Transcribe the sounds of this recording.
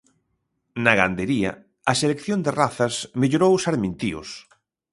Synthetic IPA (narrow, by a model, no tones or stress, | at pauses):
nɐɣand̪eɾiɐ̰ | ɐselekθjond̪eraθɐsmeʎoɾowsaɾmĩnt̪iʊ̰s